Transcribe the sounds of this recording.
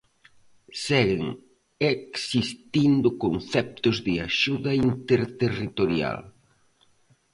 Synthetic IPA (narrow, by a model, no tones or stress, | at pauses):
sɛɣɪŋ | eksist̪ind̪ʊkonθɛp̚t̪ʊzðɪaʃuðɐint̪eɾt̪erit̪oɾja̰l